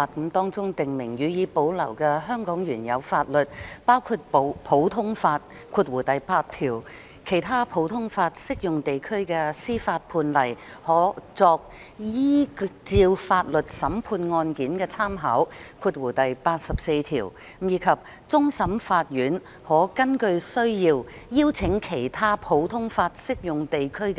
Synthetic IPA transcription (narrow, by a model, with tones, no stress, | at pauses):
a˧˩t̚kmt̪ɔː˥ŋt͡sʊ˥ŋt̪ɪ˨ŋmɪ˨˩ŋjyː˨˧jiː˨˧po˨˥wlɐ˨˩wkɛː˧ɦœː˥ŋkɔː˨˥ŋɥyː˨˩njɐ˨˧wfaː˧t̚lɵ˨t̚paː˥wkʰuː˧t̚po˨˧wpʰo˨˧˥wt̪ʰʊ˥ŋfaː˧t̚ | kʰuː˧t̚wuː˨˩t̪ɐ˨jpaː˧t̚t̪ʰiː˨˩w | kʰe˨˩jt̪ʰaː˥pʰo˨˧˥wt̪ʰʊ˥ŋfaː˧t̚sɪ˥k̚jʊ˨ŋt̪e˨jkʰɵ˥ɥkɛː˧siː˥faː˧t̚pʰuː˧nlɐ˨˩j | hɔː˨˥t͡sɔː˧k̚ | jiː˥t͡siː˧wfaː˧t̚lɵ˨t̚sɐ˨˥mpʰuː˧nŋɔː˧nkiː˨˥nkɛː˧t͡sʰaː˥mɦɐ˨˥wkʰuː˧t̚wuː˨˩t̪ɐ˨jpaː˧t̚sɐ˨p̚se˧jt̪ʰiː˨˩w | jiː˨˧kʰɐ˨p̚ | t͡sʊ˥ŋsɐ˨˥mfaː˧t̚jyː˨˥n | hɔː˨˥kɐ˥nkɵ˧ɥsɵ˥ɥjiː˧wjiː˥wt͡sʰɪ˨˧˥ŋkʰe˨˩jt̪ʰaː˥pʰo˨˥wt̪ʰʊ˥ŋfaː˧t̚sɪ˥k̚jʊ˨ŋt̪e˨jkʰɵ˥k